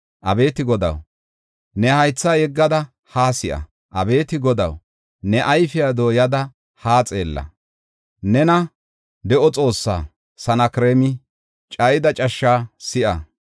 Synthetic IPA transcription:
ʔɐbe̞ːt̪ɪɡɔd̪ɐ̰w | nɛhɐjt͡sːaːjɛɡːɐd̪ɐ | haːsɪʔɐ̰ | ʔɐbe̞ːt̪ɪɡɔd̪ɐ̰w | nɛʔɐjfɪjad̪o̞ːjɐd̪ɐ | haːt͡sʼe̞̰ːlːɐ̰ | nɛnɐ | d̪ɛʔɔt͡sʼo̞ːsːa̰ː | sɐnɐkɾeːmɪ | t͡ʃʼɐjɪd̪ɐt͡ʃʼɐʃːaːsɪʔɐ̰

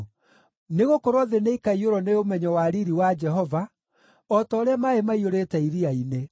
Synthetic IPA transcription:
neɣokoɾɔðeneikaioɾɔneomɛɲɔwaɾiɾiwad͡ʒɛɦɔva | ɔtɔːɾeamaemaioɾetɛiɾiaine

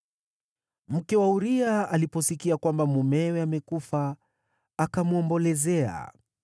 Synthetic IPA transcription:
m̩kɛwauɾiaalipɔsikiakwambamumɛwɛamɛkufaː | kamuɔmbɔlɛzɛa̰

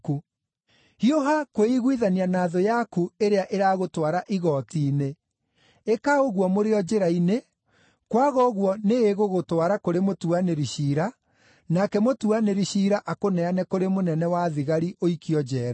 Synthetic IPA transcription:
ku | hioɦakoeiɣwiðanianaːðojakueɾeaʔeɾaɣotwaɾaʔiɣɔːtiːne | ekaoɣwɔmoɾeɔd͡ʑeɾaine | kwaɣɔɣwɔneːɣoɣotwaɾakoɾemotuaneɾiɕiɾa | nakɛmotuaneɾiɕiːɾaʔakonɛanɛkoɾemonɛnɛwaðiɣaɾiʔoikiɔd͡ʑɛːɾa

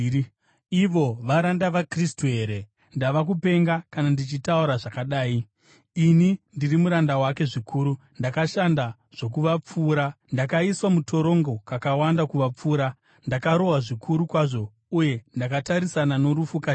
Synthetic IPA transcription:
iʋo̞ʋaɾandaʋakristuɦe̞ɾe̞ | ndaʋak̬upe̞ŋɡakanandit͡ʃitauɾaʐakaɗaːi | inindirimuɾandawake̞ʐikʰuːɾu | ndakaʃanda | ʐ̥o̞kuʋap͡fuːɾandakaiswamutʰo̞ɾo̞ŋɡo̞kakawandakuʋap͡fuːɾa | ndakaɾo̞waʐikʰuɾukwaʐo̞ | uje̞ndakataɾisanano̞ɾufuka

